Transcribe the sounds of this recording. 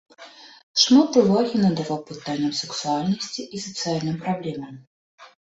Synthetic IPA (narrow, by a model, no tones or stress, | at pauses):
ʂmat̪uvaɣʲinɐd̪avawpɨt̪anʲːɐmsɨksualʲnɐsʲt͡sʲiʔːsɐt̪sɨalʲnɨmpɾablʲɛmɐm